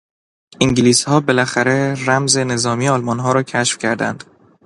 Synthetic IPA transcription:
iŋɟiliːshɒːbe̞læxæɾeɾæmze̞ne̞zɒːmijeɒːlmɒːnɦɒːɾɒːcʰæʃfcʲʰæɾd̪æ̰nd̪̥

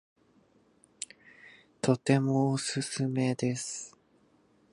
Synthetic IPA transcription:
t̪ʰo̞t̪e̞moːsɨsɨme̞d̪e̞sɨ̥

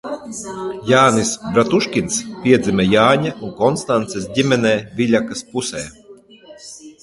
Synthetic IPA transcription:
jaːnisbɾat̪uʃkʲinspʲiɛd̪zʲimʲɛjaːɲauŋkɔnst̪ant̪sɛsdʲimʲɛnɛːvilʲakaspusɛː

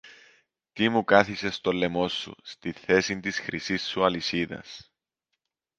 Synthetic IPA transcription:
t̪imukɐθise̞st̪o̞lːe̞mo̞sːṵst̪iθe̞sint̪isxɾʔisisːuɐlisiðɐ̰s

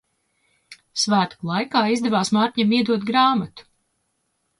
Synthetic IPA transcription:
svæːt̪u̥klˠajkaːizd̪ɛvaːsmaːɾt̪ʲɲamiɛd̪uɔt̪ɡɾaːmat̪u̥

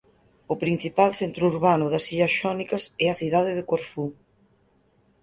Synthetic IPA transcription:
ʊpɾin̟θipalθent̪ɾuuɾβanʊðɐsiʎɐsʃɔnikɐsɛɐθiðað̞ɪðɪkoɾfu

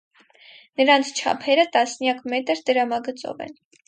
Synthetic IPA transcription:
nəɾɑnt͡sʰt͡ʃʰɑ̰pʰɛɾət̪ɑsnjɑkmɛt̪əɾd̪əɾɑmɑɡət͡sɔ̰vɛ̰n

